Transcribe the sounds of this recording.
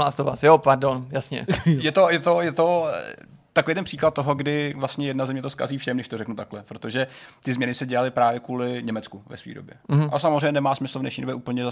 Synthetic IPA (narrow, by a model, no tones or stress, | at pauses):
la̰ːst̪ova̰ːsjopaɾdonjasɲɛ̰jɛt̪o̞jɛt̪ojɛt̪o | t̪akovejt̪̬ɛnpr̥iːklat̪̚t̪ːoɦoɡdɪvlast̪ɲɛjɛdnazɛmɲɛt̪oska̰ziːfʃɛmnɛʃt̪o̞ɾrɛknut̪aklɛpɾot̪o̞ʒɛt̪ɪzmɲɛnɪsɛɟɛalɪpɾaːvjɛkuːlɪɲɛmɛt͡skuvɛ̰svḭːdo̰bjɛas̬amozɾrɛjɲɛnɛmaːsmɪsl̩vnɛʃɲiːdo̞bjɛʔuːpl̩ɲɛza